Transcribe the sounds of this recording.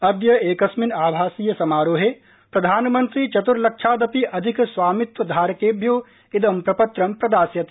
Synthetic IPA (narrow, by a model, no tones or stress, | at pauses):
ɐd̪jɐeːkɐsminaːbʱaːsiːjɐsɐmaːɾoːɦe | pɾɐd̪ʱaːnmɐnt̪ɾit͡ʃɐt̪uɾlɐkʃʰaːd̪ɐpiʔɐd̪ʱiksʋaːmit̪ʋɐd̪ʱaːɾɐkeːbʱjoː | id̪ɐmpɾɐpɐt̪ɾɐmpɾɐd̪aːsjɐt̪